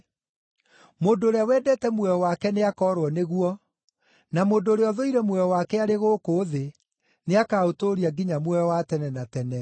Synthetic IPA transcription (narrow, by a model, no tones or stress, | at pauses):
moːndoːɾeawɛːdɛtɛmwɛjɔwakɛneakɔːɾwɔneɣuɔ | namoːndoɾeɔðoiɾɛmwɛjɔwakɛaɾeɣoːkoːðe | neakaːotoɾiaɡiɲamwɛɔwatɛnɛnatɛnɛ